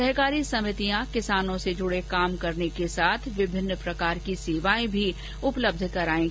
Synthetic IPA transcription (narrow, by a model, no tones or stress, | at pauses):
ɐɦkaːɾisɐmɪt̪ijãkɪsaːnõsed͡ʒʊɽekaːmkɐɾnekesaːt̪ʰʋɪbʱɪnːpɾɐkaːɾkiseːʋaːẽbʱi | ʊpləb̚d̪ʱkɐɾaːẽ